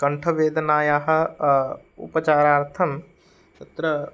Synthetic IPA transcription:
kɐɳʈʰɐʋeːd̪ʱnaːjaːɦɐ̆ | ṵpɐt͡ʃaːɾaːɾt̪ʰɐn | t̪ɐt̪ɾɐ

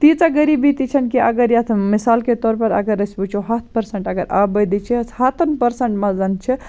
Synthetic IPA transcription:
t̪it͡ʃaɡəɾibit̪it͡ʃʰənkiʔəɡəɾjat̪ʰmisaːlket̪ɔːɾpɐɾə̰ɡəɾəsbut͡ʃʰoɦat̪ʰpəɾsəɳʈɐɡəɾa̰bəd̪it͡ʃʰɛhat̪ʰənpəɾsəɳʈmazɐnt͡ʃʰɛ

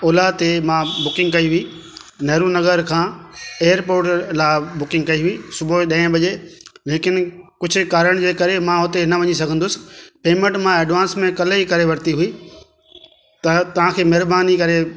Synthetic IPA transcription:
oːlat̪emãbʊkɪ̃ŋɡkɐiɦʊiː | nɐɦɾunɐɡəɾkʰãːeːəɾpoːɾʈlaːbʊkɪ̃ŋɡ̚kɐiɦʊisʊbʱoɗɐ̃ːɪ̃bɐʄeleːkɪnkʊd͡ʑʱʊkaːɾəɽ̃d͡ʑeːkɐɾemãɦʊt̪eɪnɐʋɐɲis̬ɐɡʱə̃nd̪ʊsɪ̥̆peːmẽɳʈmãeːɖʋãːnsmẽkɐlikɐɾeʋɐɾt̪iɦʊiː | t̪ɐt̪ɐʋ̤ãkʰeːmɐɦɾbaːnikɐɾe

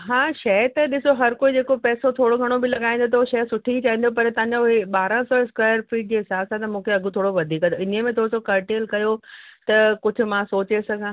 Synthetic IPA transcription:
ɦãːʃɐt̪ɐɗɪsoɦɐɾkoːid͡ʑeːkopɛːsot̪ʰoːɽoɡʱɐɽ̃obɪlɐɠaːĩnd̪ot̪oʃɐsʊʈʰiit͡ɕaːɦĩnd̪op̬ɐɾt̪ɐ̃ɦãɲ̆d͡ʑoʊɦeɓaːɾãsɔːɪskwaːɪjəɾfiːd͡ʑeɦɪsaːbsãt̪ɐmũːkʰeɐɡʱʊt̪ʰoːɽoʋɐd̪ʱiːkɐoɪnmẽt̪ʰoːɽsokɐɾʈeːlkɐjot̪ɐkʊd͡ʑʱʊ̆mãsoːt͡ɕesɐɡʱãː

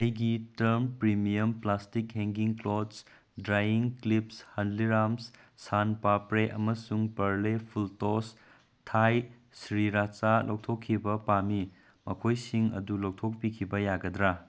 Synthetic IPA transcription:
ɐjɡitɐɾmpɾimiɐmplastikɦeŋɡiŋklods | dɾajiŋklipshɐndliɾams | sanpapɾeʔɐmɐsuŋpɐɾlepʰultos | tʰaj | sɾiɾat͡ʃalok̚tʰokʰːibɐpami | mɐkʰojsiŋɐ̰dulok̚tʰok̚pikʰibɐjaɡɐdɾa

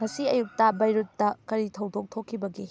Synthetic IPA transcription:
ŋɐsiɐjuk̚tɐbɐjɾutːɐkɐɾitʰɐwdok̚tʰokʰːibɐɡi

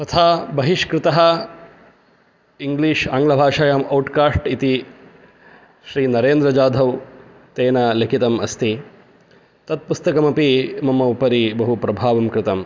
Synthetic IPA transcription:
t̪ɐt̪ʰaːbɐɦiʂkɾɪt̪ɐɦɐ | iŋɡliːʂaːŋɡlɐbʱaːʂaːjamɐwʈkaːsʈit̪i | ʃɾiːnɐɾeːnd̪ɾɐd͡ʒaːd̪ʱɐw | t̪eːnɐlekʰit̪ɐmɐst̪i | t̪ɐt̪̚pust̪ɐkɐmɐpimɐmɐupɐɾibɐɦupɾɐbʱaːʋɐmkɾɪt̪ɐm

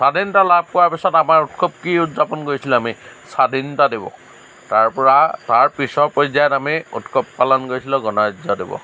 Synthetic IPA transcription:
sadintalab̚kɔɹaɹpisɔtamaɹutkʰɔp̚kiʊtzapɔnkoɹisilamisadintadibɔ̰ | taɹpɔɹataɹpɹisɔɹpɔjzajɔtamiutkʰɔpːalɔnkoɹisilʊ̃ɡɔnaɹzɔdebɔ̰

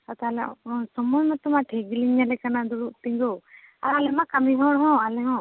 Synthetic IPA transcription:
sat̪alɛsɔmɔmat̪ɔmaʈʰeɡiliɲalɛkanad̪uɽuʔt̪iɲɡɔ | aɾalɛmakamiɦɔ̃ɽɦɔ̃alɛɦɔ̃

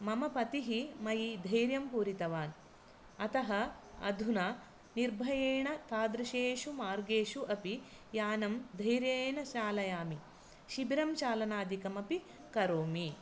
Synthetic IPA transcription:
mɐmɐpɐt̪iɦimɐjid̪ʱɐjɾjɐmpuːɾit̪ɐʋaːn | ɐt̪ɐɦɐɐ̰d̪ʱuna | niɾbʱɐjeːɳɐt̪ʰaːd̪ɾɐʃeːʃumaːɾɡeːʃuʔɐpi | jaːnɐmd̪ʱɐjɾjeːɳɐʃaːlɐjaːmi | ʃibiɾɐmt͡ʃaːlɐnaːd̪ʱikɐmɐpi | kɐɾoːmi

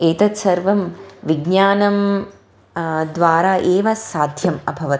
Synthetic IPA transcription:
eːt̪ɐt̪sɐɾʋɐmʋiɡɲaːnɐm | d̪ʋaːɾaːʔeːʋɐsaːd̪ʱjɐmɐbʱɐʋɐt̪

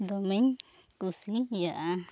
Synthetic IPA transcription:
d̪omeɲ | kusijaʔa

